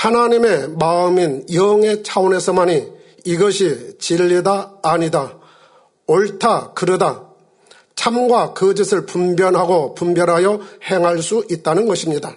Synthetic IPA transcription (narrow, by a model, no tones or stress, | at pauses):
hanaɲime̞maɯminjʌŋe̞t͡ɕʰaone̞sʰʌmaɲiː | ɡʌɕʰit͡ɕiʎːidaːɲida | oɭtʰakɯɾɯda | t͡ɕʰamɡwakɯd͡ʑɯsʰɯɭpumbjʌnɦaɡopumbjʌnɦajʌhe̞ŋɦaɭs͈uʔit̚t͈anɯnɡʌɕʰimɲida